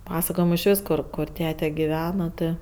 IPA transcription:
ˈpɑːsɐkoːjɪmʊ ɪʃ ˈʋʲɪs ˈkʊr kʊr ˈtʲæːtʲɛ ɡʲɪˈʋʲæːnɐ ˈtɜ

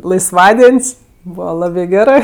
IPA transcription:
lˠɐɪsˈʋɑːdʲiɛnʲsʲ ˈbuːʋɐ ˈlˠɑːbɜ ˈɡʲæːrɜ

